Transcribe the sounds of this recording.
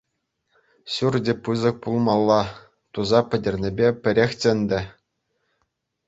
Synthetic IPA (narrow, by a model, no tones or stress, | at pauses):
ɕurdʲĕpɯzɤ̆k̚pulˠmɑlˠːɑ | t̪uzɑpʲɘ̆dʲɘ̆rʲnʲĕbʲepʲɘ̆ɾʲexʲtʲɘ̆nʲd̪ʲɘ̆